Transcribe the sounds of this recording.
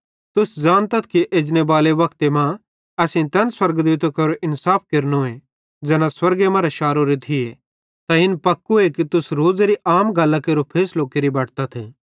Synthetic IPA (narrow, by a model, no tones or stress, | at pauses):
t̪ʊsd͡zãːnt̪ɐt̪ʰkiʔeːd͡ʒnebaːleʋɐkt̪emã | ɛsĩt̪ɛnswɐɾɡd̪wuːt̪okɐɾoɪnsaːp̚ʰkɐɾnoe | d͡ʒɛːnãswɐɾɡemɐ̃ɾaʃaːɾoɾit̪ʰie | t̪ãɪnpɐkːuekit̪ʊsɾoːd͡zɾiʔaːmɡɐlːakeɾopʰeːsloːkeɾibɐːʈʰt̪at̪ʰe